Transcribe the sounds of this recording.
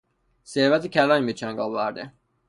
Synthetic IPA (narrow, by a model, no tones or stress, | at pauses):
se̞ɾvæt̪ʰecʲʰælɒːnbit͡ʃʰæŋɡɒːvæɾd̪e